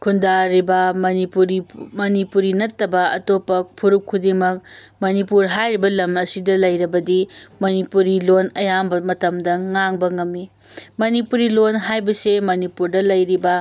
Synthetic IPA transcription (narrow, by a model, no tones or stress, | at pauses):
kʰundaɾibɐiuɾimɐnipuɾinɐtːɐbɐɐ̰topːɐpʰuɾukʰːudemɐk̚mɐnipuɾɦajɾibɐlɐmɐsidɐlɐjɾɐbɐdimɐnipuɾilonɐjambɐmɐtɐmdɐŋaŋbɐŋɐmːi | mɐnipuɾilonɦajbɐsemɐnipuɾdɐlɐjɾibɐ